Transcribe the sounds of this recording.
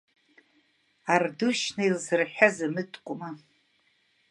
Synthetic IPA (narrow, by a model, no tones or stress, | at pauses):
arduʃnailzɨrħᶣazamɨtʼkʷʼʊma